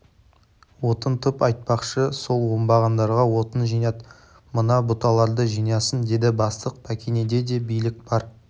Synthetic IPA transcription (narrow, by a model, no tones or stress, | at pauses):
wo̞t̪ənt̪ʰʊpɑjt̪̚pɑqʃəso̞lˠwombɑʁɑnd̪ɑɾʁɑwo̞t̪ənʒijnɑt̪ | mənɑbʊt̪ɑlˠɑɾd̪əʒijnɑsənd̪e̞d̪ɪbɑst̪əq̚pʰækʲene̞d̪e̞d̪e̞bijlɪk̚b̥ɑɾ